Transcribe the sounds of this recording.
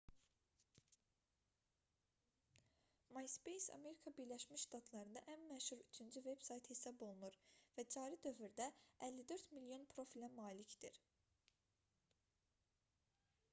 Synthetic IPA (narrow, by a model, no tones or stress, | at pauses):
mɑjspejsɑ̰me̞ɾikʰɑbiɾlæʃmiʃʃt̪ɑt̪ʰlˠɑɾɯnd̪ɑʔænmæʃhuɾyt͡ʃʰynd͡ʒyve̞bsɑjt̪hesɑbo̞lˠunuɾvæd͡ʒɑːɾid̪ø̞vyɾd̪æælːid̪ø̞ɾt̪milijo̞npʰɾo̞filæmɑːlicd̪̥iɾ